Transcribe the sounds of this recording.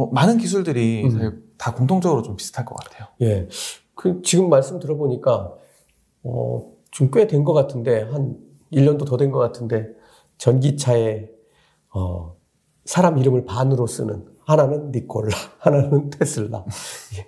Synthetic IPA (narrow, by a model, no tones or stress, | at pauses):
manɯnkis̬ʰuɭdɯɾisaitakoŋtʰoŋd͡ʑʌɡɯɾot͡ɕompi̥sʰɯ̥tʰaɭk͈ʌk͈atʰe̞joje̞ | kɯt͡ɕiɡɯmːaɭs͈ɯmdɯɾʌboɲik͈a | ʌ̰ | t͡ɕuŋk͈wedwe̞nɡʌk͈atʰɯnde̞ɦan | iʎːʌndotʌdwe̞nɡʌk͈atʰɯnde̞ | t͡ɕʌnɡit͡ɕʰae̞ | ʌ̰ | sʰaɾamiɾɯmɯɭpanɯɾos͈ɯ̰nɯ̰n | hananɯnːik͈ʰʌɭːahananɯntʰes͈ʰɯɭːa̰je